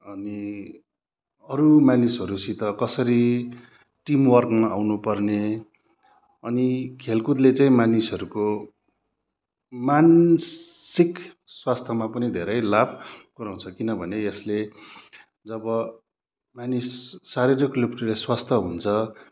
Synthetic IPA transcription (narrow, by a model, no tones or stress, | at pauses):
ʌni | ʌɾumanisɦʌɾusit̪ʌkʌsʌɾi | ʈimwʌrkmaawnupʌrne | ʌnikʰelkud̪let͡saĩmanisʌɾuko | man | sik | swast̪ʰʌmapʌnid̪ʱḛɾʌjlabʱɡ̥ʌɾaw̃nt͡sʰʌkinʌbʱʌneesle | d͡zʌbʌ | manisːaɾirʌklipʈileswast̪ʰʌɦunt͡sʰʌ